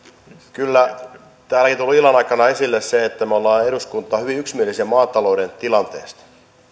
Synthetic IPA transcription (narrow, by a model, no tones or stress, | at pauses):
kylːæ | t̪æːlækint̪ulːilːɑnɑikːˑɑnɑesilːesseet̪ːæmeolːɑːeɾuskunt̪ːˑɑːhyʋiyksmielisiæmɑːt̪ːɑlouɾent̪ilɑnt̪ḛːst̪ɑ̥